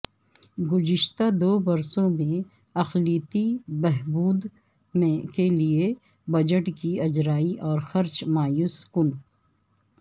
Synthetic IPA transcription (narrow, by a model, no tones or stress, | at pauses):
ɡʊd͡ʒɪʃt̪ad̪oːbɐɾsõmẽ | ɐxliːt̪ibɛɦbuːd̪ | mẽkelie | bɐd͡ʒəʈkiɐd͡ʒɾaːiʔɔːɾxɐɾt͡ʃmaːjuːskʊn